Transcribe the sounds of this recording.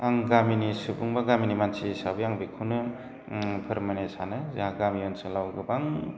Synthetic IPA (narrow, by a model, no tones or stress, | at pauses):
aŋɡaminisɯbɯŋbaɡaminimansisabɯjaŋbikʰɯnɯ | pʰɯɾmanesanɯzaaɡamijɔnsɯlawɡɯbaŋ